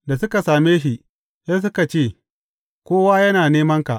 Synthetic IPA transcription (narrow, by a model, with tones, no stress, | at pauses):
da˨sʊ˦ka˨saː˨meː˦ʃi˨ʔ | ja˦s̬ʊ˦ka˨t͡ʃeː˦˨ | kʷoː˦waː˦jɐ˦naː˨neː˦mɐ˦ŋka˨ʔ